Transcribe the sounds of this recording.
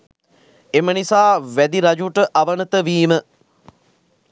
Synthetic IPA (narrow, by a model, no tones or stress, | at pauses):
emənisaːʋæd̪iɾad͡ʒuʈəʔaʋənət̪əʋiːmə